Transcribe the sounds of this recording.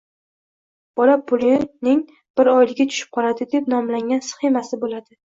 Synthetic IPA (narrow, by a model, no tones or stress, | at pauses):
b̥ɒlapʰʊlɪnɪŋ | b̥ɪɾɒjlɪɡʲat̪ʰʊ̥ʃɪ̥p̚qʰɒlad̪ɪd̪e̞pnɒmlaŋʲansɨ̥χemasɪbolad̪ɪ